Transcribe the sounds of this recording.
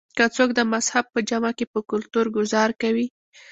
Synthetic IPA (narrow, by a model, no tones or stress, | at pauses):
kət͡sok̚d̪əmazhab̚pəd͡ʒamakepəkʊlt̪uɾɡʊzɑɾkawi